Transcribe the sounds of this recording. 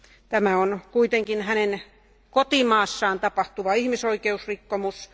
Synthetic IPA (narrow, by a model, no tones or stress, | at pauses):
t̪æmæonkuit̪eŋkinhænen | kot̪imɑːsːɑːnt̪ɑpɑht̪uʋɑihmisoikeusrikːomus